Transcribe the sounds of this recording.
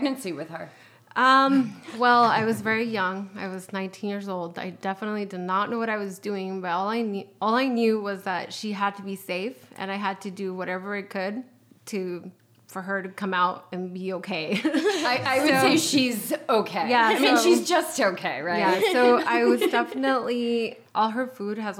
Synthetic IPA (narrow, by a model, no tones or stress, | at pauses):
ɡ̚nɨ̃nsiwɨð̥ə˞ | ʔʌ̃mwɛlˠaɪwʌzvɛɹijʌ̃ŋaɪwʌznãɪ̃ntʰĩnjɪɹzoʊlˠda̰ɪdɛfənətˡlidɨdⁿnətⁿnʔoʊwʌɾaɪwʌzdʉɪ̃ŋbʌɾɔlˠaɪnɔlˠaɪnjʉwʌzðɨtʃiəd̚tʰɨbiseɪfʔɨ̰̃naɪɨd̚tʰɨdɨwʌɾɛvə˞ɨt̚kʰɨd̚ | tʰɨ | fə˞ə˞ɾɨkʰʌ̃maʊɾɨ̃nbioʊkʰeɪaɪʔaɪwɨdoɪʃizoʊkʰeɪjæmĩnʃizd͡ʒʌstoʊkʰeɪɹajæsoʊaɪwʌzdɛfənəʔˡli | ʔɔlˠə˞fud̚ɨz